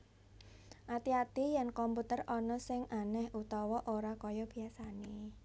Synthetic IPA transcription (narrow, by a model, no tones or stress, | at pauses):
ʔat̪iat̪ijɛnkɔmput̪ərɔnɔsɪŋʔanɛhut̪ɔwɔʔoɾakɔjɔb̥i̤asane